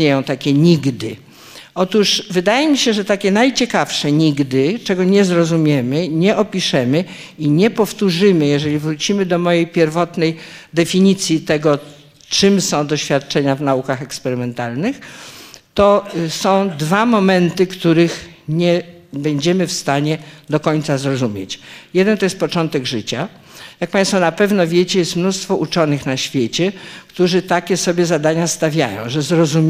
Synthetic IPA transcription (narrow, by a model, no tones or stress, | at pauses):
ɲejɔ̃w̃t̪akʲɛɲiɡd̪ɘ̰ | ɔt̪uʂvɘd̪ajɛmʲiɕɛʐɛt̪akʲɛnajt͡ɕɛkafʂɛɲiɡd̪ɘt͡ʂɛɡɔɲɛzɾɔzumʲjɛmɘɲɛʔɔpʲiʂɛmɘ | iɲɛpɔft̪uʐɘmɘjɛʐɛlʲivɾut͡ɕimɘd̪ɔmɔjejpʲjɛɾvɔt̪nɛjd̪ɛfʲiɲit̪sʲjit̪ɛɡɔ | t͡ʂɘmsɔ̃w̃d̪ɔɕfʲjat̪̚t͡ʂɛɲavnaukaxɛkspɛɾɘmɛnt̪alnɘx | t̪ɔsɔ̃w̃d̪vamɔmɛnt̪ɘkt̪uɾɘxɲɛ | bɛɲd͡ʑɛmɘfst̪aɲɛd̪ɔkɔɲʲt̪sazɾɔzumʲjḛt͡ɕjɛd̪ɛnt̪ɔjɛst̪̚pɔt͡ʂɔnt̪ɛɡʐɘt͡ɕa | jak̚pãj̃st̪fɔnapɛvnɔvʲjɛt͡ɕɛjɛst̪mnust̪fɔʔut͡ʂɔnɘxnaɕfʲjet͡ɕɛkt̪uʐɘt̪akʲɛsɔbʲjɛzad̪aɲast̪avʲja̰jɔ̰̃w̃ʐɛzɾɔzu